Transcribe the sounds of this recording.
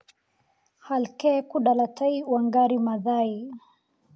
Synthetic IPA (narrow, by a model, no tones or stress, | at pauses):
halkɛkuɗalataiwaŋɡaɾimaðai